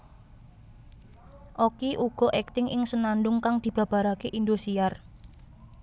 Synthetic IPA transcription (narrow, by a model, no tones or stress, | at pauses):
ʔokiʔuɡ̥ɔ̤ʔɛk̚t̪ɪŋʔɪŋsənanɖʊŋkaŋd̪̥i̤b̥a̤b̥a̤ɾakeʔind̪osiar